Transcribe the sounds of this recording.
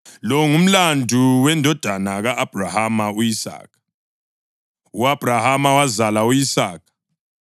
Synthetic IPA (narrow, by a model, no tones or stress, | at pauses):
lɔŋum̩landʱuwɛndʱɔd̥ʱanaɣaʔːb̥ʱrahamaujisa̰ːkʰḁ | uab̥ʱrahamawazalaujisaːkʰḁ